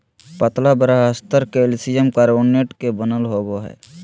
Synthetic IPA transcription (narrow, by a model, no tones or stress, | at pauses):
pət̪labəɾaɦəst̪əɾkelsijəmkaɾoːnːeʈkebənəlɦoːɡoɦɛ̰ː